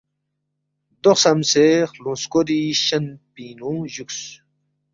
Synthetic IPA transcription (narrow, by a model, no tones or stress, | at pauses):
d̪oχsɐmseχlũnskoɾiɕɐnpinũʑuks